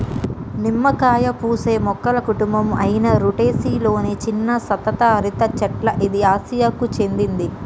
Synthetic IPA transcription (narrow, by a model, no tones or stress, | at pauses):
nimːɐkaːjɐpuːse̞ːmɔkːɐlɐkuʈumbɐmɐjinɐɾuʈe̞ːsiːlo̞ːnet͡ʃinːɐsɐt̪ɐt̪aːɐɾit̪ɐt͡ʃɐʈlɐʔid̪iaːsijakːut͡ʃe̞nd̪ind̪i